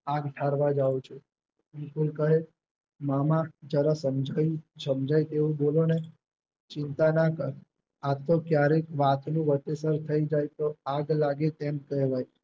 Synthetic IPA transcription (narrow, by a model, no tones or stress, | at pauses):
aɡʈʰaɾʋad͡ʒaũt͡ʃʰe | mikulkəɦe | mamãd͡ʒəɾasəmd͡ʒʱaisəmd͡ʒajt̪eʋũbolone | t͡ʃɪnt̪anakəɾ | at̪okjaɾekʋat̪nũʋət̪esəɾt̪ʰəid͡ʒajt̪oaɡlaɡet̪emkəɦʋaj